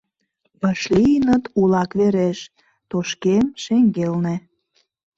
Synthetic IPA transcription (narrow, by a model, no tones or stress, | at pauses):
pəʃlijənət̪ulɑkβeɾeʃ | t̪oʃkemʃeŋɡelne